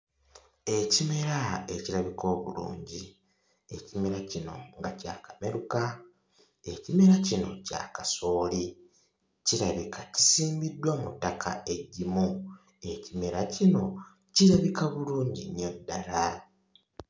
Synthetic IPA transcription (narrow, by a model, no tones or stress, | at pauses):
e̞cime̞ɾae̞ciɾaβiko̞ːβṵlṵːɲɟi | ecime̞ɾacino̞̰ŋɡaca̰ːkame̞ɾuka | e̞cime̞ɾacino̞̰ca̰kaso̞ːli | ciɾaβikʰaci̥siːmbidːwamutːakʰa̰e̞ɟːimu | e̞cime̞ɾacino̞ | ciɾaβikaβuluːɲɟiniodːala